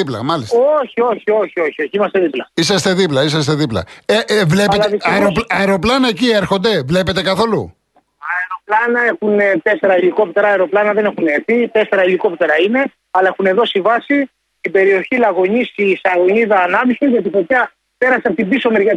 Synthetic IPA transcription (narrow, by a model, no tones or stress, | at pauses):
iplɐ̰mɐlisoçio̞çio̞çio̞çio̞çiimɐst̪e̞ðiplɐisɐst̪e̞ðiplɐisɐst̪e̞ðiplɐ̰evle̞peɐeɾopɐeɾo̞plɐnɐecieɾxond̪e̞vle̞pe̞t̪e̞kɐθo̞lu | ɐeɾo̞plɐnɐe̞xunt̪e̞se̞ɾɐiliko̞p̚t̪e̞ɾɐːeɾo̞plɐnɐðenexuneθit̪e̞se̞ɾɐiliko̞pt̪e̞ɾɐine̞ | ɐlɐe̞xune̞ðo̞sivɐsi | ibe̞ɾio̞çilɐɣo̞ɲisisɐɣo̞ɲiðɐːnɐvisizʝɐt̪ifot̪jɐ | pe̞ɾɐseɐpot̪ibisomeɾʝɐ